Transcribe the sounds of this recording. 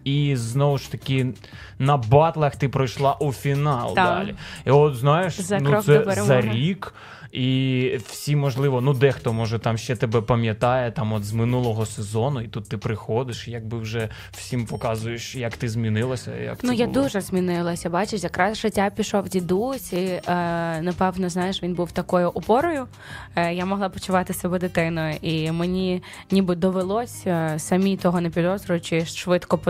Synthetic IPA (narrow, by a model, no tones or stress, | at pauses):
iznɔʋʊʃt̪ɐkʲɪ | nɐbɑt̪lˠɐxt̪ɪpɾɔjʃlˠɑʔufʲinɑlˠd̪ɑ̰lʲḭiɔt̪znɑjeʃzɐnusɛzɐɾʲik | iw̥sʲimːɔʒlˠɪʋɔnud̪ɛxt̪ɔmɔʒɛt̪ɑmʃt͡ʃɛt̪ebɛpɐmʲjɐt̪ɑjɛt̪ɑmɔt̪zmɪnulˠɔɦɔsezɔnʊit̪ut̪ːɪpɾɪxɔd̪ɪʃjɐɡ̚bɪwʒɛ | w̥sʲimpɔkɑzʊjeʃjɐkt̪ɪzʲmʲinɪlˠɐsʲɐ̰jɐ̰knujad̪uʒɛzʲmʲinɪlˠɐsʲɐbɑt͡ʃɪʃʲjɐkɾɑzʒɪtʲːapʲiʃɔwdʲid̪usʲi | nɐpɛwnɔznɑjɪʃʋʲinbuwt̪ɐkɔjʊʔɔpɔɾɔjʊ | jamɔɦlˠɑpɔt͡ʃʊʋɑt̪ɪsɐbɛd̪ɪt̪ɪnɔjʊʔimenʲi | nʲibɨd̪ɔʋelˠɔsʲsɐmʲit̪ɔɦɔnepʲid̪ɔzɾʊjʊt͡ʃɪʃʋɪt̪kɔp